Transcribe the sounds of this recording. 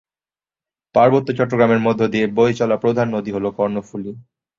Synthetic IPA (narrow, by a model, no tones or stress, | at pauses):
paɾbot̪ːot͡ɕɔʈːoɡɾameɾmod̪ʱːod̪iebojt͡ɕɔlapɾod̪ʱanːod̪iɦolokɔɾnofuli